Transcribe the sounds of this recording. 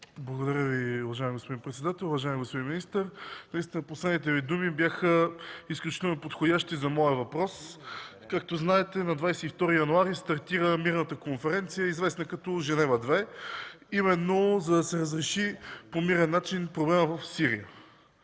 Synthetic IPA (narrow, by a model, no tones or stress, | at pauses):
blˠɐɡod̪ɐɾʲjəviʊvɐʒaɛmiɡospod̪inpɾɛt̪sɛd̪at̪ɛlˠʊvɐʒaɛmiɡospod̪inminist̪əɾnɐist̪inəposlɛd̪nit̪ɛvid̪umibjaxəisklʲut͡ʃi̥t̪ɛlˠnopot̪xod̪ʲaʃt̪izɐmɔjəvɐpɾɔs | kak̚t̪oznaɛt̪ɛnɐd̪vajsɛift̪ɔɾijɐnuaɾist̪ɐɾt̪iɾəmiɾnət̪əkonfɛɾɛnt̪sijəizvɛsnəkɐt̪ɔʒɛnɛvəd̪vɛ | imɛnːozɐd̪ɐsɛɾəzɾɛʃipomiɾɛnːat͡ʃinpɾoblɛməvɐfsiɾḭjə